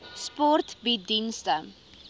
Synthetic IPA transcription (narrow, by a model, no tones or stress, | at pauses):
spɔrtbidinstə